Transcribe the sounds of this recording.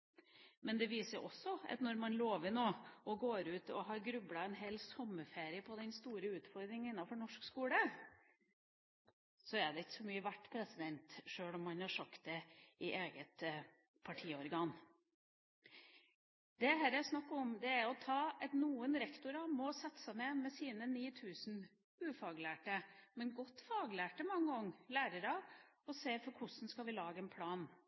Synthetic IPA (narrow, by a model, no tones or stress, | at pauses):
mɛnd̪ɛʋiːsəɾʊ̰ʔɔsːɔɑ̰t̪nɔɾmɑnloːʋɪnoːɔɡoːɾʉːt̪ɔɦɑɾɡɾʉblɑɛnɦeːlsɔmːəfeːɾɪəpʰɔd̪ɛnst̪uːɾəʉːt̪fɔɾd̪ɾɪŋɪnːɑfɔɳɔʂkskuːlə | sɔæɖ̪ɛɪkːə̥sɔmyːəʋæʈːpʰɾɛsɪd̪ɛnt̪ʂøːɭɔmːɑnhɑʂɑkt̪̚d̪ɛɪʔeːɡət̪ | pʰɑʈʰiːəɔɾɡɑn | d̪ɛɦæɾɛsnɑkːɔmd̪ɛæɾɔt̪ʰɑːɛt̪nuːənɾɛkt̪ʊɾɑmɔsɑt̪ːsænɛːmɛsiːnəniːt̪ʰʉːsn | ʉːfɑːɡlæːʈəmɛnɡɔt̪ːfɑːɡlæːʈəmɑŋːəɔŋːlæːɾəɾɑ | ɔseːfɔɾkʰʊʂn̩skɑʋɪlɑːɡəɛnpʰlɑːn